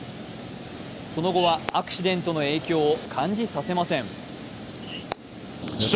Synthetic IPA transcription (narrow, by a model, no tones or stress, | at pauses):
so̞no̞ɡo̞βaːkɯ̟̥ɕid̪ẽ̞nt̪o̞no̞e̞ːkʲo̞ːkʰãɲ̟d͡ʑisase̞masẽ̞ɴ